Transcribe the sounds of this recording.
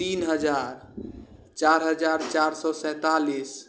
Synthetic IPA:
t̪inɦəd͡ʒaɾ | t͡ʃaɾɦəd͡ʒaɾt͡ʃaɾsɔsɛ̃t̪alis

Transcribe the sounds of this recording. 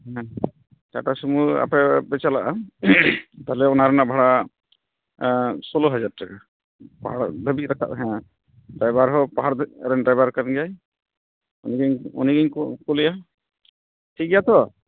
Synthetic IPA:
ɦɛ̃ | kaʈasumua̰pɛbɛt͡ʃalaʔa | t̪alɛɔnaɾɛnabʱaɽa | sɔlɔɦad͡ʒad̚ʈaka | paɦaɽd̪ʱəbit̪̚ɾakʰa̰ʔ̪ɦɛ̃ | ɖajbaɾɦɔpaɦaɽd̪ɛɾɛnɖɾajbaɾkaɾnɡɛaj | ɔniɡɲɔ̰niɡəɲkɔkulija | ʈʰiɡijat̪ɔ

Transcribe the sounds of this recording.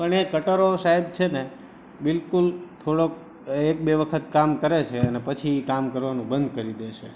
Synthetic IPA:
pəɳekəʈəɾosaɦib̚t͡ʃʰene | bɪlkult̪ʰoɽok̚ | ek̚beʋəkʰət̪kamkəɾet͡ʃʰeənepət͡ʃʰiːkamkəɾʋanũbənd̪kəɾid̪eʃḛ

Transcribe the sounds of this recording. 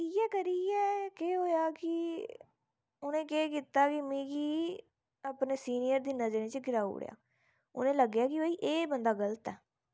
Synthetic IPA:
ijɛːkəɾiːɛːkeːɦoːjaːkɪ | ʊnẽːkeːkit̪aːkɪmĩːɡiː | əpneːsiːnijəɾd̪iːnəzɾẽːt͡ʃəɡɪɾaːṵːɽḛja̰ː | ʊnẽːləɡjaːkɪəiːʔeːbənd̪aːɡələt̪ɛː

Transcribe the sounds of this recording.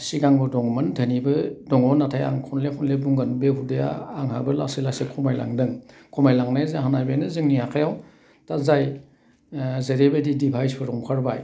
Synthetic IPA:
siɡaŋbɯdɔŋmɯndʰʱanibɯdɔŋɔnatʰaja̰ŋkʰɔnlekʰɔnlebuŋɡɯnbeɦudeja̰ːŋhabɯla̰silasekʰɔmajla̰ŋdɯŋ | kʰɔmajlaŋnajzaɦanajbejnɯzɯŋniakʰajaw | tazaj | zeɾebedidibʰʱajspʰɯɾɔŋkʰaɾbaj

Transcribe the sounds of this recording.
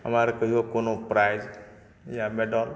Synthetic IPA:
ə̰maɾekəɦiokonopɾajz | jameɖɔl

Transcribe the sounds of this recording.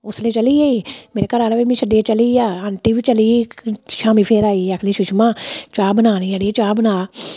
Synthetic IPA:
ʊsleːt͡ʃəliːeimeːɾekəɾaːneʋemĩːʃəɖiet͡ʃəliːaːənʈ̪iːʋit͡ʃəliːʃaːmiːpʰeːɾaːiːəkʰliːʃʊʃmãːt͡ʃaːbənaːniəɽiet͡ʃaːbnaː

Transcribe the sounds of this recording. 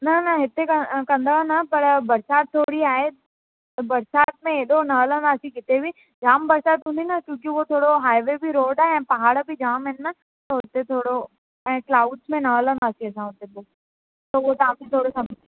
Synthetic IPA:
nɐnɐɦɪt̪ekɐkɐ̃nd̪anɐpɐɾbɐɾsaːt̪̚t̪ʰːoːɽiaːɦe | bɐɾsaːt̪̚mẽeːɗonɐʋələnaːsikɪt̪ebʱi | d͡ʒaːmbɐɾsaːt̪ɦũːnd̪inɐkjũːk̬iʋot̪ʰoːɽoɦaːiʋebʱiɾoːɖaːɦeɛ̃ːpɐɦaːɽbʱid͡ʒaːmɦɪnːɐ | t̪ɐɦʊt̪et̪ʰoːɽo | ɛ̃ːklaːʊɖsmẽnɐʋlənaːsiɐsãɦʊt̪eboː | t̪ɐʋot̪ɐãkĩt̪ʰoːɽosɐb

